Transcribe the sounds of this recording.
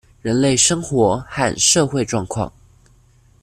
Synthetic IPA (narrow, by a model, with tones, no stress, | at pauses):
ɻə˧˥nle˥˩ɪʂɤ˥ŋxwɔ˧˥xa̰˥˧nʂɤ˥˧xwe˥˧ɪʈ͡ʂwɑ˥˧ŋkʰwɑ̰˥˩ŋ